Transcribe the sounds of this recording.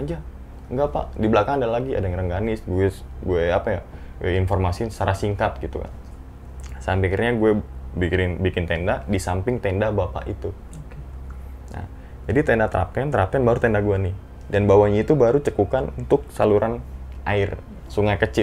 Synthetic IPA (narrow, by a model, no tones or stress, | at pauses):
ad͡ʒa | ŋɡapa̰ʔdibəlakaŋadalaɡia̰daŋəɾəŋɡanɪsɡuɛ | ɡuɛapaja | ɛinfɔrmasisaɾasiŋkat̪̚ɡit̪ṵka̰n | sampikirɲaɡuɛbikɪnbikɪnt̪endadisampɪŋt̪endabapa̰ʔit̪u | okena̰ | d͡ʒadit̪ɛndat̪əɾʔa̰p̚kɛnt̪əɾʔap̚k̪ɛnbaɾut̪endaɡuɛnɪ | danbawaɲait̪ubaɾut͡ʃəkukanunt̪ʊk̚saluɾʔanʔaɪr | suŋajkət͡ʃɪ